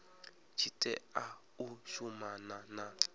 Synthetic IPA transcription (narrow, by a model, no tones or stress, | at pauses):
t͡ʃʰitʼɛ̰a | uʃumanana